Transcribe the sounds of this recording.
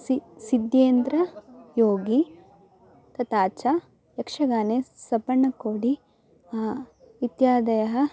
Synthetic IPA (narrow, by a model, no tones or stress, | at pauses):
sisid̪jeːnd̪ɾɐjoːɡi | t̪ɐt̪aːt͡ʃa | jɐkʂɐɡaːnesɐpɐɳːɐkoːɽi | it̪jaːd̪ɐjɐɦɐ